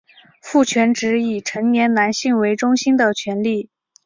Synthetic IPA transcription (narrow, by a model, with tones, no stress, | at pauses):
fu˥˩t͡ɕʰɥɛ˧˥nʈ͡ʂɻ̩˧˥i˨˩ʈ͡ʂʰɤ˧˥ŋnjɛ˧˥nna˧˥nɕi˥˩ŋwe˧˥ɪʈ͡ʂʊ˥ŋɕi˥nd̪ə˨t͡ɕʰɥɛ˧˥nli˥˩